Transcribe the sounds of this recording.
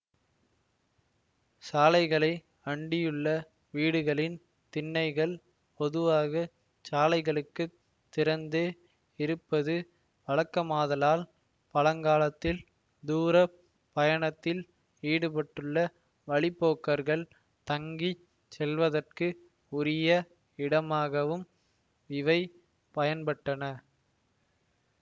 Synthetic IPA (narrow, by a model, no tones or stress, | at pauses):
saːlɐɪɣɐɭɐɪ | ɐɳɖɪjɯɭːɐ | ʋiːɽɯɣɐɭɪn | t̪ɪnːɐɪɣɐɭ | pɔðɯʋaːɣɐ | t͡ʃaːlɐɪɣɐɭɯkːɯ | t̪ːɪɾɐnd̪e | ɪɾɯpːɐðɯ | ʋɐɻɐkːɐmaːðɐlaːl | pɐlɐŋɡaːlɐt̪ːɪl | d̪uːɾɐ | pɐjɐɳɐt̪ːɪl | iːɽɯpɐʈːɯɭːɐ | ʋɐɭɪpːoːkːɐɾɣɐɭ | t̪ɐŋɡi | sɛlʋɐðɐrkɯ | ʊɾɪjɐ | ɪɽɐmaːɣɐʋɯm | ʋɪʋɐɪ | pɐjɐnpɐʈːɐnɐ